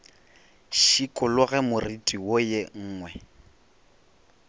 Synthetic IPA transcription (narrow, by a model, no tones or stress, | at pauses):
ʃikʼʊlʊɣɛmʊritʼiwojeŋ̩ːŋwɛ